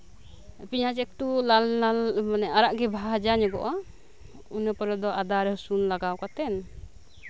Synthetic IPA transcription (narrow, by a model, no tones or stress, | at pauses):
piɲat͡ʃɛk̚t̪ulaamanɛaɾaʔɡɛbʱad͡ʒaɲɛɡɔ̰ʔɔ | unəpəɾɔd̪ɔʔad̪aɾɦɔsunlaɡawkat̪ɛn